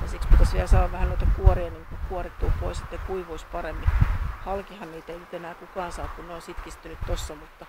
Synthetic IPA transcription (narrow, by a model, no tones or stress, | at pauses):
jɑsikspit̪ɑsʋiælsɑːʋɑʋʋæhænnoit̪ɑkuoriɑniːŋkukuorit̪tːuːpoiset̪nekuiʋuisʲpɑremːihɑlkihɑnniːt̪einyt̪enæːkukɑːnsɑːkkunneonsit̪kist̪ynyt̪t̪osːɑmut̪ːɑ